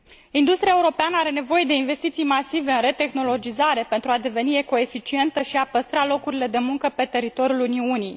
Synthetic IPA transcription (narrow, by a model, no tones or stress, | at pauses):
ind̪ust̪ɾiae̞uɾo̞peanəaɾe̞ne̞vo̞je̞d̪e̞inve̞st̪it̪sijmasive̞ɨnre̞t̪e̞xno̞lo̞d͡ʒizaɾe̞pe̞nt̪ɾuad̪e̞ve̞nie̞ko̞e̞fit͡ʃie̞nt̪əʃiapəst̪ɾalo̞kuɾile̞d̪e̞muŋkəpe̞t̪e̞ɾit̪o̞ɾijuluniunij